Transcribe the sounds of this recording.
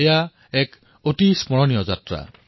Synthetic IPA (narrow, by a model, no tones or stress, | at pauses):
eja | ɛk | otismɔɹɔnijɔza̰tɹa̰